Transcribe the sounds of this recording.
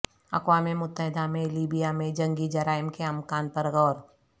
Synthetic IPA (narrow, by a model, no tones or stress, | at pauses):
ɐ̰kwaːmemʊt̪ːəɦɪd̪amẽliːbijamẽd͡ʒɐ̃ŋɡid͡ʒɐɾaːɪmkeɐmkaːnpɐɾɣɔːɾ